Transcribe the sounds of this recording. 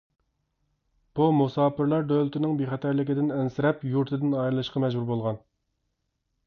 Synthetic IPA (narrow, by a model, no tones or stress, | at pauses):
b̥umusɑːpɪɾlˠɑɾd̪ølɪt̪ʰɪnɪŋbeχɛt̪ʰɛɾlɪkʲɪd̪ɪnɛnsɪɾɛpjuɾt̪ʰɪd̪ɪnɑjɾɨlˠɨʃqɑmɛʒbuɾbolˠʁɑn